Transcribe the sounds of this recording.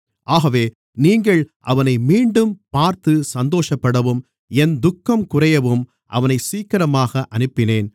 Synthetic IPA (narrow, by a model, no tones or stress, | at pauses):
ʔaːɣɐʋeː | niːŋɡɐɭʔɐ̰ʋɐnɐɪmiːɳɖɯmpaːɾt̪ɯsɐnd̪oːʂɐpːɐɽɐʋɯm | ɛnd̪ʊkːɐmkʊrɐjɐʋɯm | ʔɐ̰ʋɐnɐɪsiːkːɐɾɐmaːɣɐʔɐnɯpːɪneːn